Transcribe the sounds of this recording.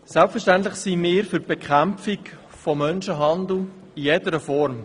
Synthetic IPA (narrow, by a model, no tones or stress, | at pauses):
sɛlpfəʃtænt̪lɪχsimɪːɾfʏtb̥ekχæmfik | fɔmːœnʃəɦɑnd̪l̩ | ijedəɾəfɔɾm